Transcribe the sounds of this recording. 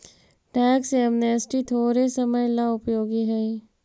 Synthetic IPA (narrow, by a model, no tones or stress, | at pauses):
ʈɛːksɛmneːsʈit̪ʰoːɾesəməjlaʊpjoːɡiɦɛi